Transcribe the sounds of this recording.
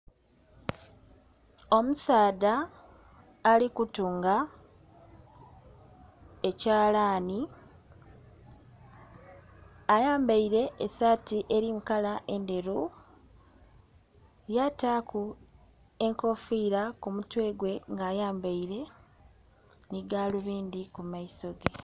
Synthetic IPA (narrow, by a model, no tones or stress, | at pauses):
o̞musaːdaː | likutuːŋɡa | ecaːlaːni | ajaːmbaiɾe̞ʔːsatiʔe̞ɾimukalaʔe̞nde̞ɾu | jatakʰu | e̞ŋko̞fiːɾakumutwe̞ːɡwe̞ŋɡaːjaːmbaiɾe̞ | niɡaːluβiːnd̪ikumaiso̞ɡe